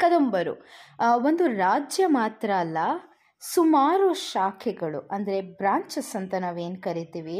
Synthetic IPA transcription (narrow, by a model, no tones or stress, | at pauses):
kɐd̪ombɐɾṵ | o̞nd̪uɾaːd͡ʒjɐmaːt̪ɾɐːlːɐ | sumaːɾuʃaːkʰɛɡɐɭṵʔɐnd̪ɐɾe̞bɾaːɲt͡ʃɐsɐnt̪ɐnaːʋe̞ːnkɐɾit̪iːʋi